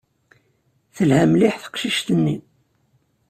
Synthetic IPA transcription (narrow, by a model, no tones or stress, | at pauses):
θəlhæmliħθə̥qʃiʃt̪ənːi